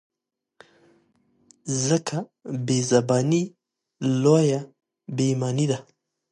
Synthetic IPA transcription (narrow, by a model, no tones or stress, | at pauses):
zəkʰabezabɑni | loja | bemɑnid̪a